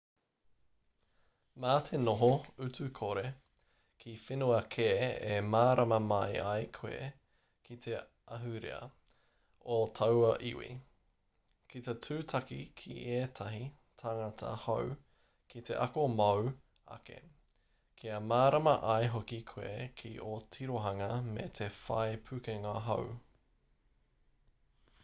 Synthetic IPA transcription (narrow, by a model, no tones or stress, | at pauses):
maːtʰenoɦoʉtʉkʰoɾe | kʰifinuɐkʰeːemaːɾɐmɐmɐjajkʰwḛ | kʰit̪ʰe | ʔɐɦʉɾḛɐ̰ | otʰɐwɐʔḭwḭ | kit̪etʰʉːtʰɐkikʰḭʔeːt̪ʰɐɦi | tʰaŋɐtʰɐ̰how | kʰit̪ʰḛʔɐkomɐw | ɐ̰kḛ | kʰiɐmaːɾɐmɐʔɐjɦokikʰwḛkʰiʔotʰiɾoɦɐŋɐmet̪ʰefa̰epʰʉkeŋɐɦo̰w